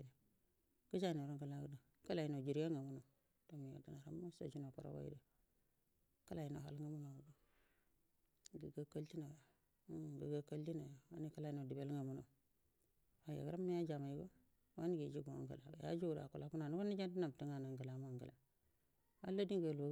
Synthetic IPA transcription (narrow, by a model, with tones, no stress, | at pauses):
na˨ | ɡ̥ə˦d͡ʒa˦˨no˨ɾa˦ŋɡa˨la˦ɡu˦du˨ | ka˦la˨ji˨no˨d͡ʒi˨ɾa˦ŋa˨mu˦no˨ | to˦mi˨jo̰˨di˨na˨ɾa̰˦mː˦o˦sa̰˨d͡ʒi˦no˨kṵ˨ɾa̰˦wa̰˦jḭ˦da˨ | ka˦la˨ji˨no̰˨ɦa̰˨lŋa˦mu˦no˨ɡu˨du˨ | ɡə˨ɡa˦ka˦lti˦na˨˦˨ | ɡḭ˨ɡa˦ka˦lti˦na˨wa˦ni˦ka˦la˨i˦no˨di˨be˦lŋa˨mu˦no̰˨ | wa˨ja̰˨ɡɾa˦mːi˦ja˦d͡ʒa˨ma˨ji˦ɡo˦ | wa˦ni˦ɡi˨d͡ʒi˦ɡo˨a̰˦ɡa̰˨la˨a˨ja̰˦d͡ʒu˦˨da̰˨ku˨la˦ku˦na˨nu˦wa˦ni˦d͡ʒa˦ndi˦na˨m˨ti˦ŋa˨na˨ŋɡa˨la˨˦m˦a˦˨ŋɡa̰˨la˨ | a̰˦la˦di˦ŋɡə˨lo˦